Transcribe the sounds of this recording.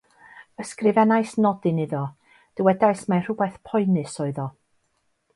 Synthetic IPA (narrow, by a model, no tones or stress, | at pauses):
əskrɪvɛnajsnɔdɨnɪðɔ | d̥əwɛdajsmar̥ʊbɛθpʰɔɨnɨsɔɨðɔ